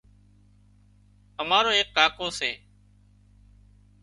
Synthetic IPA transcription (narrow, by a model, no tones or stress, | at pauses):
əmaːɾoːɦeːkːaːkoːseː